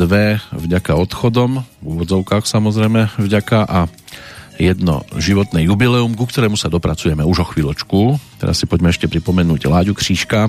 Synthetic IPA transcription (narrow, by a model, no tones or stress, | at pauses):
d̪ʋɛvɟakaɔt̪xɔd̪ɔmvuːʋɔd͡zɔʊkaːxsamɔzɾɛjmɛvɟakaʔa | jɛd̪nɔ̰ʒiʋɔt̪nɛjubilɛumkukt̪ɔɾɛːmusad̪ɔpɾat͡sujɛmɛuʒɔxʋiːlɔt͡ʃkut̪ɛ̰ɾasipɔɟmɛɛʃcɛpɾipɔmɛnuːɟlaːɟukr̝̥iːʃka